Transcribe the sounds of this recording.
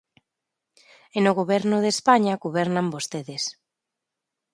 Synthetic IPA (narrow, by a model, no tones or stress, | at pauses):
enoɣoβ̞ɛɾnʊðespaɲaɣoβ̞ɛɾnambost̪eðes